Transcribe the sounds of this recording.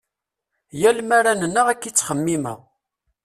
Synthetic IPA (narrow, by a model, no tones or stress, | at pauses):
jælmaɾænənːəʁækːit͡sːχəmːimə̰ʁ